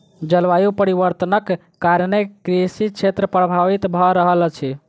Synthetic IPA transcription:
d͡ʒəlʋajupəɾiʋəɾt̪ənəkː | aɾnekɾisit͡ʃʰet̪ɾəpɾəbʱaʋit̪bʱɔɾəɦəlt͡ʃʰi

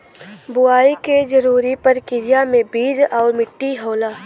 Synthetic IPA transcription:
bʊaːiked͡ʒəɾuːɾipɐɾkɪɾijamẽbiːd͡ʒɔːɾmɪʈːiɦoːlaː

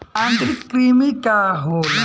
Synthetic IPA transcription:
ɐnd̪ɾikɾimikaɦo

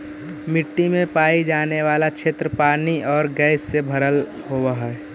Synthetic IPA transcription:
mɪʈːimẽpaːid͡ʒaːneʋaːlat͡ʃʰeːt̪ɾəpaːniʔɔːɾɡɛɪsːebʱəɾəl | ɦowəɦɛ

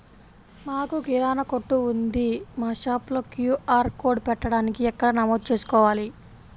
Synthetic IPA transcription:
naːkuɡiɾaːnɐkoʈːuund̪imaːʃaːplɐkjuːʔaːɾkoːɖpɛʈːɐɽaːnikiɛkːɐɽɐnɐmoːd̪̚t͡ʃe̞ːsu̥kɔːʋaːli

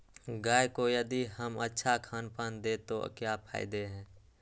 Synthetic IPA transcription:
ɡaːjkojəd̪iɦəmətːʃʰakʰaːnpənd̪eːt̪o̰kjapʰa̰ːɪd̪eɦɛ̃ː

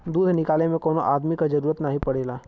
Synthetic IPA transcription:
d̪uːd̪ʱnɪkaːlemẽkoːnoʔaːd̪mikad͡ʒɐɾuːɾət̪naɦĩpɐɽeːlaː

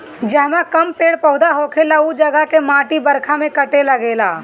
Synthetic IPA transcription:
d͡ʒɛɦmakəmpeːɽpəʊd̪aɦokʰelaud͡ʒəɡakemãːʈibəɾkʰamẽkəʈeləɡela

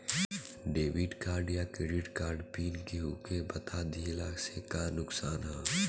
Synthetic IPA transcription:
ɖeːʋiʈkaːɾɖjakɾɪɖɪʈkaːɾɖpiːnkeɦuːkebɐt̪ʰaːd̪ʱiːlaːsekanʊksaːnɦɛː

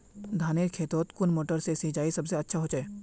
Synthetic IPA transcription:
d̪ʱaːneːlkʰeːt̪oːt̪kʊnmoːʈəɾsesid͡ʒaːisɐbseɐtːʃʰaɦoːt͡ʃaeː

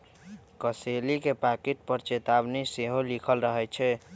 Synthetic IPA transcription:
kəselikepakeʈ̚pəɾt͡ʃet̪abniseɦolikʰəlɾəɦɛt͡ʃʰɛ

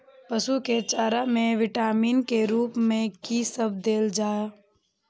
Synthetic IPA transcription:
pəsuket͡ʃaːɾamẽʋɪʈaːmiːnkeɾuːpmẽkisəb̚d̪eːld͡ʒaːa

